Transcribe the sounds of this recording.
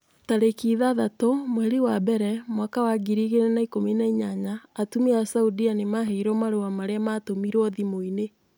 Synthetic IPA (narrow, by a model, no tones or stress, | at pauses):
taɾekiːðaðatɔmwɛɾiwabɛɾɛmwakawaɡiɾiɣenenaikominaiɲaɲaːtumiasaudianemaɦeiɾɔmaɾowamaɾeamatomiɾɔðimoine